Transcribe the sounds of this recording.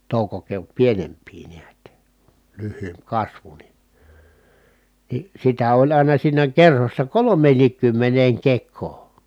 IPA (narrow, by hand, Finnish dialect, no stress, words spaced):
toˑukokeot pienempˑiː niæt lyhːyːmp kɑsʋu ni ni sitæ olʲ ɑˑinɑ siːnæ kerhosːɑ kolomˑeːnːiːkːymːeneːŋ kekˑoː